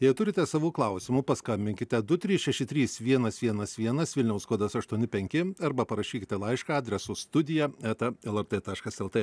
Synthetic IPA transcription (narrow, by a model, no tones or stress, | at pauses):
jɛɪt̪ʊɾʲɪt̪ʲɛsɑːʋuːklˠɐʊsʲɪmʊpɐskɐmʲbʲɪŋʲkʲɪt̪ʲɛd̪ʊt̪ʲɾʲiːsʃʲɛʃʲɪt̪ʲɾʲiːsʋʲiɛnɐsʋʲiɛnɐsʋʲiɛnɐsʋʲɪlʲnʲɛʊskuɔd̪ɐsɐʃt̪uɔnʲɪpʲɛŋʲkʲɪɐɾbɐpɐɾɐʃʲiːkʲɪt̪ʲɛlˠɐɪʃkɑɑːd̪ʲɾʲɛsʊst̪ʊd̪ʲɪjɛɛt̪ɐɛlˠɛɾt̪et̪ɑːʃkɐsɛlˠt̪e